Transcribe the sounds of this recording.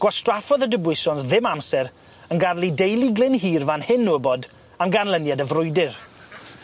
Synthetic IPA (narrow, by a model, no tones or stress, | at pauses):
ɡ̥ɔstrafɔðədəbwɪsɔnsðɪmamsɛɾ | ənɡarlˠidejlˠiɡlˠɪnɦiːrvanhɪnːuəbɔd | amɡanlˠənjadəvrʊɨdɪr